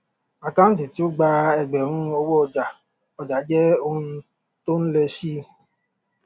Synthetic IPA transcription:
a˨kã˦n̩˦t̬i˨ti˦o˦ɡ͡ba˧ɛ˧ɡ͡bɛ˨ɾ̃ũ˦o˦wo˦ɔ˨d͡ʒa˨ | ɔ˨d͡ʒa˨˦d͡ʒɛ˦o˦nũ˦ | to˦n̩˦le˧ʃi˦

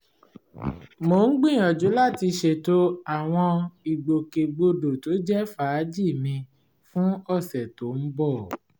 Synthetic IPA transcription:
mo˨˦ŋ̩˦ɡ͡bĩ˦˨ɔ˨d͡ʒu˨˦la˦˨ti˧ʃe˨to˦a˨w̃ɔ̃˧i˨ɡ͡bo˨ke˨ɡ͡bo˧do˨to˨˦d͡ʒɛ˦fa˨˦d͡ʒi˦˨mĩ˧ | fũ˦ɔ˦˨sɛ˨to˨˦m̩˦bɔ˦˨

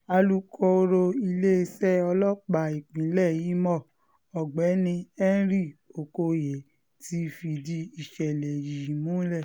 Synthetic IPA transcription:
a˧lu˦kʰo˧o˧ɾo˧i˧le˦e˧sɛ˦ɔ˧lɔ˦k͡pa˨i˨k͡pĩ˨˦lɛ˦˨ji˨˦mɔ˦˨ | ɔ˨ɡ͡bɛ˨˦nĩ˧ɛ˦ɾi˦˨o˨ko˧je˨ | ti˧˦fi˧di˧i˨ʃɛ˨lɛ˨ji˨mũ˦lɛ˦˨

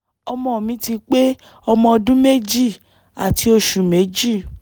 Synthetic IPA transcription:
ɔ˧mɔ̃˧o˨mĩ˨˦ti˧k͡pe˦ | ɔ˧mɔ̃˧ɔ˧dũ˦me˦d͡ʒi˦˨ | a̰˨ti˧˦o˧ʃu˨me˨˦d͡ʒi˦˨

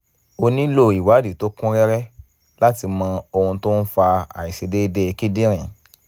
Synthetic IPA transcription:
o˧nĩ˦lo˦˨i˨wa˨˦di˨to˦kũ˦ɾɛ˦ɾɛ˦ | la˦ti˧mã˧o˧ũ˧to˦n̩˦fa˧a̰˨i˨ʃe˨˧de˦de˧ki˦dĩ˦ɾ̃ĩ˨

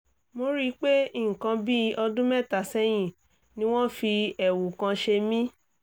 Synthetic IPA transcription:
mo˧ɾi˧˦k͡pe˦i˦˨ŋ̩˨kã˧bi˦ɔ˧dũ˦mɛ̃˦˨ta˨sɛ˦j̃ĩ˦˨ | nĩ˦w̃ɔ̃˦fi˧ɛ˨wu˨kã˧ʃe˧mĩ˦

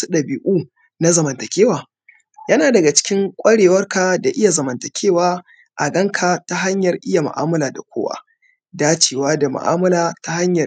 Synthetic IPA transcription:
u˦ɗɐ˨bi˨ʔuː˦ | na˦zɐ˨mɐ˨ntɐ˨kʲeː˦waː˨ | jɐ˦naː˨dɐ˨ɡa˨t͡ʃɪ̥˦kʲɪ˦ŋkʷʼɐ˦ɽeː˨wɐ˦rka˨da˨ʔɪ˦ja˨zɐ˨mɐ˨ntɐ˨kʲʰeː˦waː˦ | ʔa˨ɡɐ˦ŋkʰa˨ta˦ɦa˦ɲjɐ˨rʔɪ˦ja˨ma̰˨ʔaː˦mɐ˦laː˨da˨kʷo̰ː˦wa̰ː˦ | daː˦t͡ʃeː˨waː˦da˨ma̰˨ʔa̰ː˦mɐ˦laː˨ta˦ha˦ɲjɐ˨

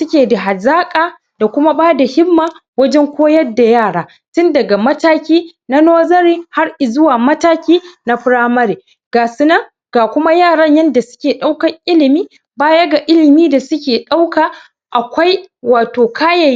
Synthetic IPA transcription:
sʊ˦kʲeː˨da˨ɦa˨zaː˦kʼaː˨ | d̥a˨kʷʊ˦ma˦baː˦da˨hɪ˦mːaː˨wɐ˦d͡ʒɛ˦ŋkʷoː˦jɐ˦da˨jaː˦˨ɽaː˨˦ | tʊ˦ndɐ˨ɡa˨mɐ˦taː˦kʲiː˦na˦noː˦zɐ˦ɾiː˦ha˦rʔɪ˨zʊ˦waː˨mɐ˦taː˦kʲiː˦na˦ɸɪ˦ɽaː˦mɐ˦ɾeː˨ | ɡ̥aː˨sʊ˦nɐ˦ŋ | ɡa˨kʷʊ˦ma˦jaː˦˨ɽɐ˦ɲjɐ˦nda˨sʊ̥˦kʲeː˨ɗa˦wkɐ˨ŋʔɪ˦lɪ˨miː˦ | baː˦jɐ˦ɡa˨ʔɪ˦lɪ˨miː˦da˨sʊ˦kʲeː˨ɗa˦wkaː˨ | ʔa˨kʷa˦jwaː˨toː˨kaː˦ja˨j

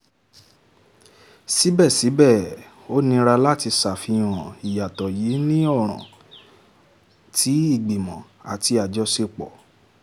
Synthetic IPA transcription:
si˨˦bɛ˦˨si˨˦bɛ˦˨ | o˦nĩ˧ɾa˧la˦ti˧sa˨fi˧j̃ɔ̃˨i˨ja˨tɔ˨ji˨˦nĩ˦ɔ˦˨ɾ̃ã̰˨ | tʰi˨˦i˦˨ɡ͡bi˨mɔ̃˨ | a̰˨ti˧a˨d͡ʒɔ˧se˧k͡pɔ̰˨

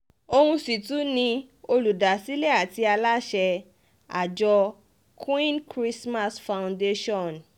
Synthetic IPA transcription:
o˧hũ˧si˨tũ˨˦nĩ˧ | o˧lu˨da˨si˨˦le˦a˨ti˧a˧la˦ʃɛ˧ | a̰˨d͡ʒɔ˧ | kʰwĩ˦nkɾi˦sma˧sfa˧w̃nde˦ʃɔ̃˦˨n

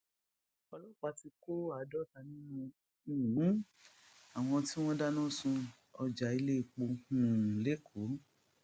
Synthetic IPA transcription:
ɔ˧lɔ˦˨k͡pa˧ti˧ko˦a˨˦dɔ˦ta˧˦nĩ˦nũ˧˨ | ũ˨˦ | a˨w̃ɔ̃˧ti˦w̃ɔ̃˦da˦nã˦˨sũ˧ | ɔ˧d͡ʒa˧i˧le˦i˧˨k͡po˧hũ˧˨le˦kʰo˨˦

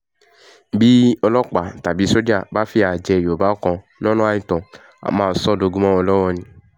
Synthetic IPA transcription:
bi˦ɔ˧lɔ˦˨k͡pa˨ta˨bi˨˦so˦d͡ʒa˦˨ba˦fi˦a˨d͡ʒɛ˨jo˨ba˦kɔ̃˧ | nɔ̃˦nɔ̃˦a˧˦ɲĩ˨tɔ̃˨ | a̰˨mãː˨sɔ˦˨do˧ɡu˦mɔ̃˦ɔ˧lɔ˦wɔ˧nĩ˨

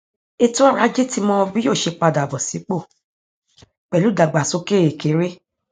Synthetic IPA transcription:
e˧tũ˦ɔ˦ɾa˧˦d͡ʒe˦ti˧mɔ̃˧bĩ˦jo˦˨ʃe˧k͡pa˧da˨bɔ˨si˨˦k͡po˦˨ | k͡pɛ˨lu˨˦da˨ɡ͡ba˨so˨˦ke˦e˨ke˨˦ɾe˦

